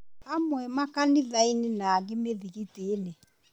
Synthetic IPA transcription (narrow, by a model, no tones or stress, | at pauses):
amwɛmakanɪðainɪnaːɣɪmeðiɣitiːnɪ